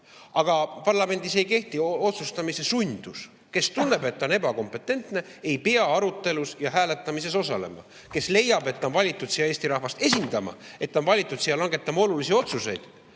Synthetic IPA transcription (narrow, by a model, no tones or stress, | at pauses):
ɑɡ̥ɑpɑrlɑme̞nʲd̪̥ise̞jke̞ht̪io̞t̪sust̪ɑmise̞sunʲd̪̥us | ke̞st̪unːe̞be̞t̪ːo̞ne̞bɑko̞mpːˑe̞t̪ːˑe̞nt̪ne̞ | e̞jpeɑɑɾut̪ːˑe̞lusjɑɦæːlet̪ːˑɑmise̞so̞sɑle̞̰mɑ̰ | ke̞sle̞jːɑbe̞t̪ːɑnvɑlʲit̪ːˑud̪sijɑe̞ːst̪iɾɑhvɑst̪e̞sind̪̥ɑmɑ̰e̞t̪ːˑɑonvɑlʲit̪ːˑud̪sijɑlɑŋɡ̥e̞t̪ːˑɑmɑo̞lulisio̞t̪suse̞jd̪̥